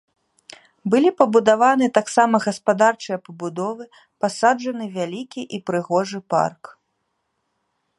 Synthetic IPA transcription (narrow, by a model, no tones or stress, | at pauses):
bɨlʲipɐbud̪avanɨt̪aksamɐɣɐspad̪art͡ʂɨjɐpɐbud̪ɔvɨ | pasad͡ʐɐnɨvʲalʲikʲiʔipɾɨɣɔʐɨpa̰rk